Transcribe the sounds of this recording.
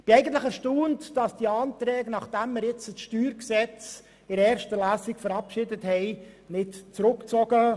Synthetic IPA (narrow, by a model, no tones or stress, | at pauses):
b̥iɛɪɡən̩tləχɛɾʃtoːntd̥ɑsd̥iəɑːntɾɛːɡnɑχd̥æmːɪɾjɪt͡səsʃtyːɾksɛt͡s | ɪɾɛːɾʃtəlæːsɪkfəɾɑpʃɪdəthɛɪjnɪtt͡sɾʊkt͡sɔɡə